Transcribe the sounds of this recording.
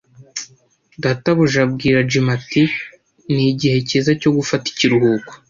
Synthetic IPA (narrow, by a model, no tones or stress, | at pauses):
dataβuʒabɡiːɾad͡ʒimati | niɟihe̞cezaco̞ɡufati̥ciɾuhuːko̥